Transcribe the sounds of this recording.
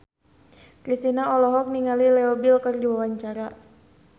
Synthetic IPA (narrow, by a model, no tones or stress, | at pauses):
kɾist̪inaɔlɔɦɔk̚niŋalilɛɔbilkɨrdiwawaɲt͡ʃaɾa